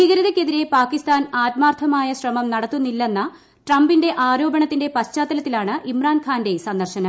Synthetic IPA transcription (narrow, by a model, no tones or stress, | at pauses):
iɣɐɾɐðɐkʲːe̞ðiɾe̞paːkːist̪aːnaːt̪maːrt̪ʰɐmaːjɐɕrɐmɐmnɐɽɐt̪ːunːilːe̞nːɐ | ʈrɐmbinde̞ʔaːɾo̞ːbɐɳɐt̪ːinde̞pɐɕt͡ɕaːt̪ːɐlɐt̪ːilaːɳɨʔimraːnkʰaːnde̞sɐnd̪ɐrɕɐnɐ